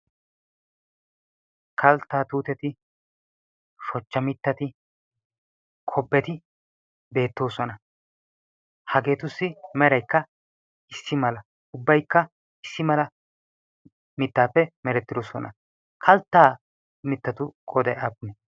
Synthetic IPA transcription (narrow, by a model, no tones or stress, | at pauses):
kʰɐlt̪ːaːt̪uːt̪ɛt̪ɪ | ʃɔt͡ʃːɐmɪt̪ːɐt̪ɪ | kʰɔbːɛt̪ɪ | be̞ːt̪ːo̞ːsɔnɐ | hɐɡe̞ːt̪ʊsːɪmɛɾɐjkːɐ | ɪsːɪmɐlɐ | ʊbːɐjkːɐ | ɪsːɪmɐlɐ | mɪt̪ːaːpːɛmɛɾɛt̪ːɪd̪osɔnɐ̰ | kʰɐlt̪ːaː | mɪt̪ːɐt̪ʊkʼɔd̪ɛɐpːɪnɛ